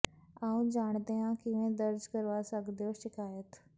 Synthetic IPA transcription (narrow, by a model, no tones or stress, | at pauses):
ãːũd͡ʒaːɳ̃d̪eɦãkɪʋẽd̪əɾd͡ʒkəɾʋasəɡd̪joʃɪkaːjət̪